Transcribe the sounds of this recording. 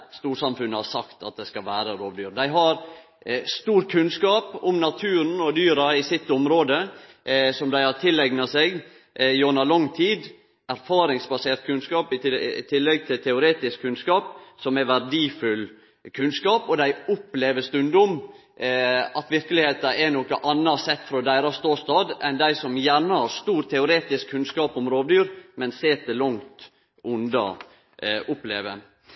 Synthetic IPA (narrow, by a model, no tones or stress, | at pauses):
st̪uːɾsɑmfʉnːəhɑɾsɑkt̪ʰɑ̰t̪̚d̪ɛskɑlʋæːɾəɾoːʋd̪yːɾd̪æɪɦɑɾ | st̪uːɾkʰʉnskɑːpʊmnɑt̪ʰʉːɾən̩ɔd̪yːɾɑɪsɪt̪ːʊmɾoːd̪ə | sɔmd̪æɪhɑt̪ʰɪlːɛɡnɑseːɡ | joːnɑlɑŋːt̪ʰiːd̪ | æɾfɑːɾɪŋsbɑseːɾt̪̚kʰʉnskɑːpɪt̪ʰɪlːɛɡ̚t̪ʰɪlt̪ʰɛʊɾeːt̪ɪskʰːʉnskɑːp̚sɔmɛʋæɾɖiːfʉl | kʰʉnskɑːpɔd̪æɪʊpleːʋəst̪ʉnd̪ʊm | ɑt̪ʋɪɾkəlɪheːt̪ɑʔɛnɔkəʔɑnːəsɛt̪ːfɾɔd̪æɪɾɑst̪oːst̪ɑːd̪ɛnd̪æɪsɔmjæːɳəhɑɾst̪uːɾt̪ʰɛʊɾeːt̪ɪskʰːʉnskɑːpɔmɾoːʋd̪yːɾmɛnseːt̪əlɔŋt̪ | ʔʊnd̪ɑ̰ | ʔʊplḛːʋə